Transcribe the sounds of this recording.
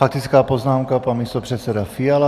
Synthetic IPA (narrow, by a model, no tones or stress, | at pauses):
fak̚t̪it͡skaːpɔznaːmkapanmist̪ɔpr̝̥ɛt̪sɛd̪afial